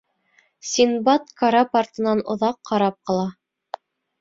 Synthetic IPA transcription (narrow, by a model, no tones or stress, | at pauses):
sʲinbɑt̪kaɾɑpart̪ɤ̆nɑnŏ̰ðɑqːɑɾɑp̚qɤ̆lˠɑ